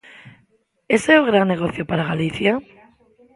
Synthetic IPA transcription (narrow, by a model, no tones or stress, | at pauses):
eseoɣ̞ɾanːeɣoθjopaɾaɣaliθja